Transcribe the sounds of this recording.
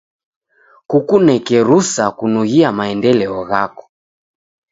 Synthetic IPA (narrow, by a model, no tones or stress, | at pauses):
kukunɛkɛɾusakunuɣiamaɛndɛlɛɔɣa̰kɔ̥